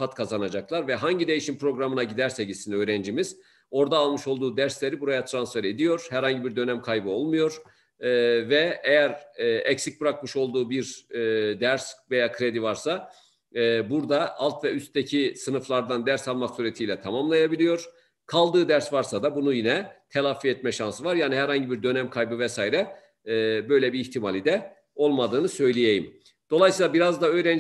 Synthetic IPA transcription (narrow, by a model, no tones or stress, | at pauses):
at̪kʰazanad͡ʒaklˠaɾvɛɦaɲɟid̪e̞jiʃimpʰɾo̞ɡɾamɯnaɟid̪æɾseɟisinø̞ːɾɛnd͡ʒimiz̥ | o̞ɾd̪aːlˠmɯʃo̞lˠd̪uːd̪æɾslʲe̞ɾibuɾajat̪ʰɾansfeɾe̞d̪ijo̞ɾ̥hæɾhaɲɟibiɾd̪ø̞næmkʰajbɯo̞lˠmujo̞ɾ̥ | vɛejæɾːɛcsic̚bɯɾakmɯʃo̞lˠd̪uːbiɾd̪æɾsve̞jaːkʰɾe̞d̪ivaɾsaː | buɾd̪aʔalˠt̪vɛyst̪d̪ecʰisɯnɯflˠaɾd̪and̪æɾsalˠmaksuːɾet̪ʰiːlʲɛt̪ʰamamlˠajabilʲijo̞ɾ̥ | kʰalˠd̪ɯːd̪æɾsvaɾsad̪abunujinɛt̪ʰelˠafːiɛt̪̚mɛʃansɯvaɾjaːniɦæɾhaɲɟibiɾd̪ø̞næmkʰajbɯvɛsaːiɾɛː | bø̞jlʲɛbiːçt̪ʰimalʲid̪ɛ | o̞lˠmad̪ɯːnɯsø̞jlʲejejim | d̪̥o̞lˠajsiːlˠabiɾazd̪aø̞jɾæn